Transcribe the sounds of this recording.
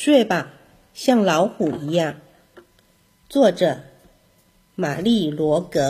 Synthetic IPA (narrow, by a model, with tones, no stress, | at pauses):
ʂwe˥˩ɪba˨˩ | ɕjɑ˥˩ŋlɑ˧˥ʊxu˨˩i˧˥jɑ˥˩ŋ | t͡swɔ˥˩ʈ͡ʂɤ˨˩˦ | ma˨˩li˥˩lwɔ˧˥kɤ˧˥